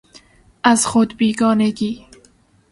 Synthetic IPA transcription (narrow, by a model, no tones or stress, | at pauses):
azxʊd̪biɡɔːneɡi